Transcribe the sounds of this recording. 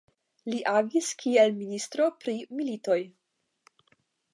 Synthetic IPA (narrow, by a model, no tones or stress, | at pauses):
liʔaɡiskʰielministɾo̞pɾimilito̞j